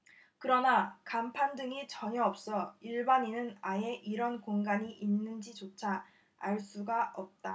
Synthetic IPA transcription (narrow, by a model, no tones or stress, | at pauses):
kɯɾʌnakampʰandɯŋit͡ɕʌɲʌʌp̚s͈ʌiɭbaɲinɯnaje̞ʔiɾʌnkoŋɡaɲiʔinːɯnd͡ʑit͡ɕot͡ɕʰa | aɭs͈uɡaʔʌp̚t͈a